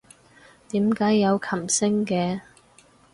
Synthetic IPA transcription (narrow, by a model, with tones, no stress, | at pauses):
t̪iː˨˥mkaː˨˥jːɐ˨˧wkʰɐ˨˩msɪ˥ŋkɛː˧